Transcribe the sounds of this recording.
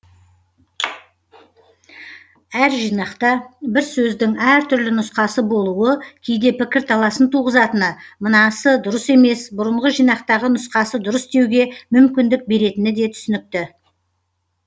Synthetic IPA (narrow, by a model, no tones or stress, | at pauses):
æɾʒijnɑqt̪ɑbɪɾsɵzd̪ɪŋæɾt̪ʰʏɾlɪnʊsqɑsəbo̞lˠuəkʲʰejd̪e̞pɪkʲɪɾt̪ʰɑlˠɑsənt̪ʰuʁəzɑt̪ənəmənɑsəd̪ʊɾəse̞me̞sbʊɾəɴʁəʒijnɑqt̪ɑʁənʊsqɑsəd̪ʊɾəsd̪e̞wɡʲe̞mʏmkʲɪnd̪ɪk̚be̞ɾe̞t̪ɪnɪd̪e̞t̪ʰʏ̥sʏnɪk̚t̪ɪ